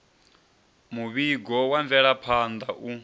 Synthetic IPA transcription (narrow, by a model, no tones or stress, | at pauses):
muβiɡɔwaɱvɛɺapʰand̪aʔu